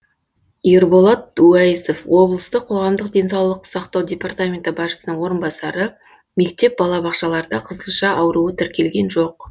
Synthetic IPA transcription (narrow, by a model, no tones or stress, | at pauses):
iɾbo̞lˠɑt̪̚uæjiso̞fwo̞blˠəst̪əqʰːo̞ʁɑmd̪əqd̪ʲe̞nsɑwlˠəqsɑqt̪ɑwdʲe̞part̪amʲe̞nt̪əbɑʃə̥sənəɴwo̞ɾənbɑsɑɾə | me̞kt̪e̞p̚bɑlˠɑbɑqʃɑlˠɑɾəd̪ɑqʰəzəlˠʃɑʔɑwɾuət̪ʰɪɾkʲe̞lɡʲe̞nʒo̞q̚